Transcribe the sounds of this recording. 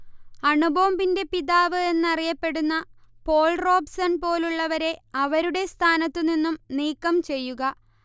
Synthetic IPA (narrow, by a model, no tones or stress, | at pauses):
ɐɳubʱɐʋɐmbinde̞piðaːʋɨe̞nːɐrijɐpːe̞ɽunːɐpo̞ːɭro̞ːbsɐnpo̞ːluɭːɐʋɐɾe̞ɐʋɐɾuɽe̞st̪ʰaːnɐt̪ːɨninːumniːkːɐmt͡ɕe̞jːuɣɐ